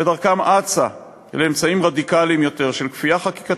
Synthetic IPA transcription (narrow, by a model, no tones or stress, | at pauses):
edaʁkamʔat͡sa | leemt͡saimʁad̪ikalimjo̞t̪e̞ʁʃe̞lkfijaχaki̥ka